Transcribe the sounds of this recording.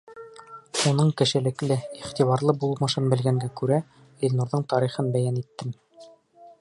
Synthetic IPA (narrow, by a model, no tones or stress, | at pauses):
unɤɴkɘ̆ʃɘ̆lɘ̆klɘiχt̪iβɑɾlˠɤbulˠmɤ̆ʃɤnbɘ̆lɡæŋɡækʉɾæ | ilnuɾðɤɴt̪ɑɾiχɤnbæjænit̪ːɘm